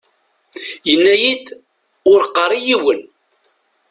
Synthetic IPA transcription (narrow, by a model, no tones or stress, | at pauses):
jənːæjid̪ | ʊɾqːərˤijiwən